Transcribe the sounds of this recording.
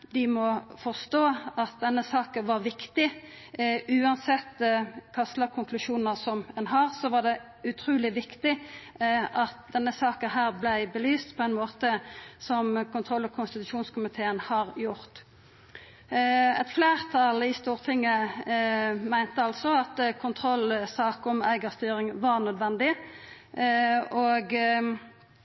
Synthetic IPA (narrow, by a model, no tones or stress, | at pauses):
d̪ɪmɔfɔʁst̪oːɑt̪̚d̪ɛnːəsɑːkəʋɑʁʋɪkt̪ɪ | ʔʉːɑnsɛt̪ːkʰɑst̪lɑkʰʊŋkʰlʉʂuːnəsɔmɛnɦɑʁsɔʋɑd̪ɛ | ʉt̪ʰʁuːlɪʋɪkt̪ɪ | ʔɑt̪̚d̪ɛnːəsɑːkənɦæːʁblæɪbəlyːst̪pʰɔɛɪnmoːt̪əsɔmkʊnt̪ʰʁɔlːɔkʰʊnst̪ɪt̪ʉʃuːnskʰʊmɪt̪ʰeːənhɑʁjʊʁt̪ | ɛt̪fleːʁt̪ʰɑlɪst̪uːʁt̪ʰɪŋːə | mæɪnt̪əɑlsɔɑt̪kʰʊnt̪ʰʁɔlsɑːkɔmæɪɡəɾst̪yːɾɪŋʋɑʁnœd̪ʋɛnd̪ɪ | oːɡ